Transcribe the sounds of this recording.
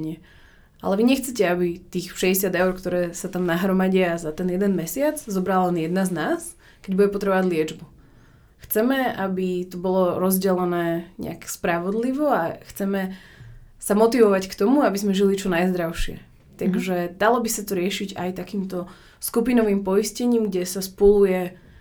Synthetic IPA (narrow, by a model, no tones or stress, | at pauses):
ɲɪɛ | ʔa̰lɛʋiɲɛxt͡sɛcɛabit̪iːxʃɛɟɛsɪad̪ɛʊɾkt̪ɔɾɛːsat̪amnaɦɾɔmaɟɪazat̪ɛnjɛd̪ɛnmɛsɪad͡zzɔbɾalalɛnjɛd̪naznaːs | kɛɟbuɟɛpɔt̪ɾɛbɔʋaɟʲlɪɛd͡ʒbu | xt͡sɛmɛabit̪ɔbɔlɔɾɔzɟɛlɛnɛːɲɛ̰a̰kspɾaʋɔd̪liʋɔaxt͡sɛmɛ | samɔt̪iʋɔʋackt̪ɔmuabizmɛʒilit͡ʃɔnajzd̪ɾaʊʃɪɛ̰ | t̪aɡʒɛd̪alɔbisat̪ɔɾɪɛʃiɟajt̪akiːmt̪ɔ | skupinɔʋiːmpɔiscɛɲiːmɡɟɛsaspɔlujɛ